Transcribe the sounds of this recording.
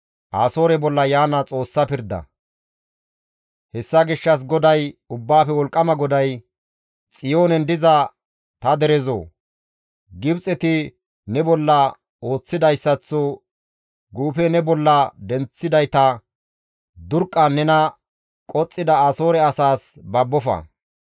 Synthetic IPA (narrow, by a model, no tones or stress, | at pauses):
ʔaːso̞ːɾɛbɔlːɐjaːnɐt͡sʼo̞ːsːɐpɪɾd̪ɐ̰ | hɛsːɐɡɪʃːɐs̬ɡɔd̪ɐjʊbːaːfɛwɔlkʼːɐmɐɡɔd̪ɐj | t͡sʼɪjoːnɛnd̪ɪzɐ | t̪ɐd̪ɛɾɛzo̰ː | ɡɪbt͡sʼɛt̪ɪ | nɛbɔlːɐ | o̞ːt͡sːɪd̪ɐjsːɐt͡sːo | ɡuːfɛnɛbɔlːɐd̪ɛnt͡sːɪd̪ɐjt̪ɐ | d̪ʊɾkʼːɐnːɛnɐ | kʼɔt͡sʼːɪd̪ɐɐso̞ːɾɛɐsaːsbɐbːɔfɐ̰